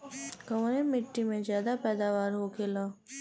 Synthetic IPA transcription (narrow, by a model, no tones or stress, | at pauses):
kɐʋnemɪʈːimẽzjaːd̪apɛːd̪aːʋaːɾɦokʰeːlaː